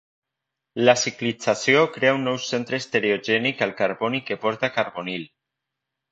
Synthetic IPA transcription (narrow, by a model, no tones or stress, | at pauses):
lasiklit͡sasiokɾeaunːɔwsːent̪ɾest̪eɾeoʒɛnikalkaɾβonikepɔɾt̪akaɾβonil